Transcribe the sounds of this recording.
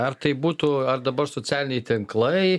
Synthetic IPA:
ɐrt̪ɐɪbuːt̪uːɐrd̪ɐbɐɾsoːsʲæːlʲɪnʲɛɪt̪ʲɪŋklˠɐɪ

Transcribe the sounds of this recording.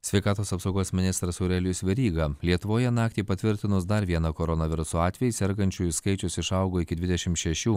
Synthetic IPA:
sʲʋʲɛɪkɑːt̪oːsɐpsɒʊɡoːsmʲɪnʲɪst̪ɾɐsoʊɾʲɛlʲʊsʲʋʲɛɾʲiːɡɐlʲiɛt̪ʊʋoːjɛnɑːk̚t̪ʲeːpɐt̪ʲʋʲɪɾʲt̪ʲɪnʊsd̪ɐɾʋʲiɛnɐkoːɾɔnɐʋʲɪɾʊsoːɑːt̪ʲʋʲɛjɪsʲɛɾɡɐnʲt͡ʃʲuːjʊskɐɪt͡ʃʲʊsɪʃɐʊɡoːɪkʲɪd̪ʲʋʲɪd̪ʲɛʃʲɪmt̪ʃʲɛʃʲuː

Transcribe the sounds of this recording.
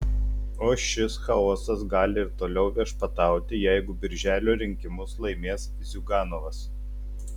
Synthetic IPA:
oːʃʲɪsxɐoːsɐsɡɑːlʲɪɪɾt̪oːlʲɛʊʋʲiɛʃpɐt̪ɑˑʊt̪ʲɪjæɪɡʊbʲɪɾʲʒʲæːlʲoːɾʲɪŋʲkʲɪmʊslˠɐɪmʲeːs | zʲʊɡɑːnoːʋɐs

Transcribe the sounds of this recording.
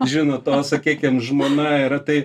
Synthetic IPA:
ʒʲɪnoːt̪oːsɐkʲiːkʲɪmʒmoːnɑɪɾɐt̪ɐɪ

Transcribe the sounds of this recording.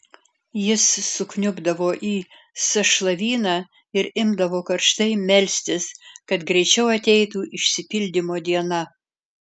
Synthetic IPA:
jɪsːʊknʲʊɡd̪ɐʋoːʔiː | sɐʃlˠɐʋʲiːnɑː | ɪɾɪmd̪ɐʋoːkɐɾʃt̪ɐɪmʲɛlʲsʲt̪ʲɪskɐt̪ɡɾʲɛɪt͡ʃʲɛʊɐt̪ʲɛɪt̪uːʔɪʃʲsʲɪpʲɪlʲd̪ʲɪmoːd̪ʲiɛnɐ

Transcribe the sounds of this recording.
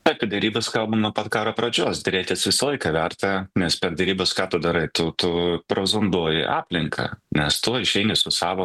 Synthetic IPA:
ɐpʲiɛd̪ʲɛɾʲiːbɐskɐlˠbɐmnuɔpɐt̪kɑːɾɐpɾɐd͡ʒʲoːsd̪ʲɪɾʲeːt̪ʲɪsʋʲɪsɐlˠɐɪkɐʋʲɛɾt̪ɐnʲɛspʲɛɾd̪ʲɛɾʲiːbɐskɑːt̪ʊd̪ɐɾɐɪt̪ʊt̪ʊpɾoːzʊnd̪uɔjɪ̰ʔɑːpʲlʲɪŋkʰɐ̰nʲɛst̪uɔɪʃʲɛɪnʲɪsʊsɑːʋo

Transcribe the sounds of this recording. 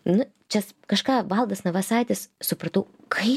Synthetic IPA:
nʊ | t͡ʃʲɛskɐʃkɑːʋɐlˠd̪ɐsnɐʋɐsɑɪt̪ʲɪssʊpɾɐt̪ɐʊkʰɐɪ

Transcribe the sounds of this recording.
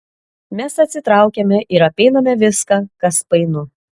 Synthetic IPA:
mʲɛsɐt̪ʲsʲɪt̪ɾɑˑʊkʲɛmʲɛʔɪɾɐpʲɛɪnɐmʲɛʋʲɪskɑːkɐspɐɪnʊ

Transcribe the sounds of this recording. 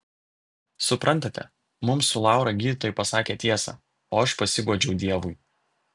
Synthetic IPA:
sʊpɾɐnt̪ɐt̪ʲɛ̰ | mʊmsʊlˠɑˑʊɾɐɡʲiːd̪ʲɪt̪oːjɪˑpɐsɑːkʲeːt̪ʲiɛsɑ̰ː | oːɐʃpɐsʲɪɡuɔd͡ʒʲɛʊd̪ʲiɛʋʊɪ

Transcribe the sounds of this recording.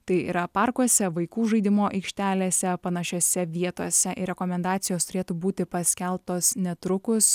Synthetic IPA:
t̪ɐɪḭːɾɐpɑɾkuɔsʲɛʋɐɪkuːʒɐɪd̪ʲɪmoːʔɐɪkʃʲt̪ʲæːlʲeːsʲɛpɐnɐʃʲoːsʲɛʋʲiɛt̪oɔsʲɛʔɪɾʲɛkoːmʲɛnd̪ɑːt̪sʲɪjoːst̪ʊɾʲeːt̪uːbuːt̪ʲɪpɐsʲkʲɛlˠpt̪oːsnʲɛt̪ɾʊkʊs

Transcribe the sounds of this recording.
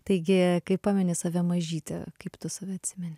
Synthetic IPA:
t̪ɐɪɡʲɪkɐɪppɑːmʲɪnʲɪsɐʋʲɛmɐʒʲiːt̪ʲɛ̰kɐɪpt̪ʊsɐʋʲɛɐt̪ʲsʲɪmʲɛnʲɪ

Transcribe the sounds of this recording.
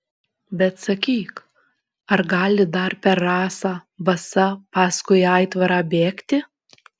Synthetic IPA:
bʲɛt̪sɐkʲiːk | ɐɾɡɑːlʲɪd̪ɐɾpʲɛɾːɑːsɑːbɐsɐpɑːskʊɪɑɪt̪ʋɐɾɑːbʲeːkt̪ʲɪ

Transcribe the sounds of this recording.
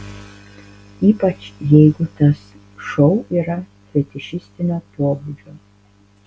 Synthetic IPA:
iːpɐt͡ʃjɛɪɡʊt̪ɐs | ʃɔʊiːɾɐ | fʲɛt̪ʲɪʃɪsʲt̪ʲɪnʲoːpoɔbud͡ʒʲoː

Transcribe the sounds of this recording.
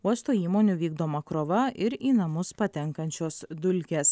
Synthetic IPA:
uɔst̪oːiːmoːnʲuʋʲiːɡd̪oːmɐkɾoːʋɐʔɪɾiːnɐmʊspɐt̪ʲɛŋkɐnʲt͡ʃʲoːsd̪ʊlʲkʲeːs

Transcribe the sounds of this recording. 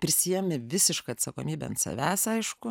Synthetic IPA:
pʲɾʲɪsʲɪjɛmʲɪʋʲɪsʲɪʃkɐɐt̪sɐkoːmʲiːbʲɛɐnt̪sɐ̰ʋʲæːsɐɪʃkʊ

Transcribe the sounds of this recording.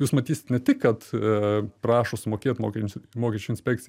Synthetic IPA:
juːsmɐt̪ʲiːsʲɪ̥t̪nʲɛt̪ʲɪkkːɐt̪ | pɾɑːʃoːsʊmoːkʲeːt̪mo̰ːkʲɛmoːkʲɛt͡ʃʲuɪnʲsʲpʲɛːk̚tt͡sʲɪ

